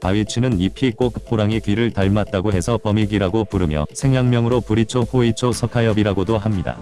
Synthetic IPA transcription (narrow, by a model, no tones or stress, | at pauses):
paɥit͡ɕʰinɯnipʰik͈okʰɯpʰoɾaŋekɥiɾɯɭtaɭmat̚t͈aɡoɦe̞sʰʌpʌmiɡiɾaɡopuɾɯmjʌ̰sʰe̞ŋjaŋmjʌŋɯɾopuɾit͡ɕʰoɸoit͡ɕʰosʰʌkʰajʌbiɾaɡodoɦamɲida̰